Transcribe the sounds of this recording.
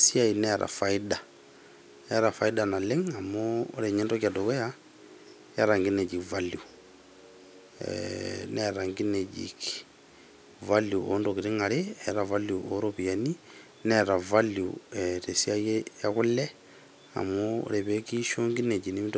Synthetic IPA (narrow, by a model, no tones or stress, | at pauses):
siainɛɾʔa̰faida | ɛɾafaidanaleŋamo̰ːɾeɲɛndɔkiadokɔja | jaɾaŋɡined͡ʒikvalju | nɛɾaŋɡined͡ʒḭk | valjuʔo̰ndokiɾiŋaɾeɛɾavaljuʔoɾopijani | nɛɾavaljuɛtesiajejakʊlɛ | a̰mɔ̰ːɾɛβekiʃoŋɡined͡ʒinimit